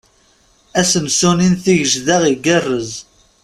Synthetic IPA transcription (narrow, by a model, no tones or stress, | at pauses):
æsəmsuninθiʝəʒðaʁiɡərːəz